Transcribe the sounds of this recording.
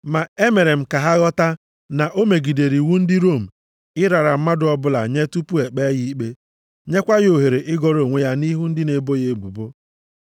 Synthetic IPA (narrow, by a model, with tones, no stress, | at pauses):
ma˨e˦me˨ɾe˨m̩˨ka˨ɦa˦ɣɔ˦ta˦ | na˨ʔo˦me˨ɡi˨de˨ɾi˨wu˦n̩˦dɪ˦ɾo˦˨m̩˨ | ɪ˦ɾa˨ɾa˨m̩˦ma˦dʊ˦ɔ˦bʊ˦la˨ɲe˦tu˦pu˦e˨k͡pe˦ji˦k͡pe˦ | ɲe˦kʷa˦ɣo˨ɦe˨ɾe˨ʔɪ˦ɡɔ˦ɾo˨ŋʷe˦ja˦ni˦ɦu˦n̩˦dɪ˦ne˨bo˦je˦˨ɡ͡bṵ˨bo˦